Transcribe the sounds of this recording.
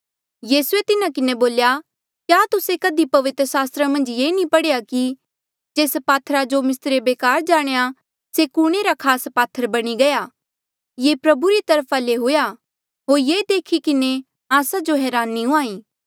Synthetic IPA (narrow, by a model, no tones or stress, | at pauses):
jiːsuet̪ɪnãkɪneboːlja | kjaːt̪ʊsekɐd̪ipɐʋɪt̪ɾəsaːst̪ɾamɐ̃nd͡ʒjeːnĩpɐɽejaki | d͡ʒeːspaːt̪ʰɾad͡ʒomɪst̪ɾebeːkaːɾd͡ʒaːɽ̃eja | sekuːɽ̃eɾakʰaːspaːt̪ʰːəɾbɐɽ̃iɡɐjaː | jeːpɾɐbuɾit̪ɐɾpʰaleɦʊja | ɦoːɾjeːd̪eːkʰikɪne | aːsad͡ʒoɦɛːɾaːnːĩɦuaːĩː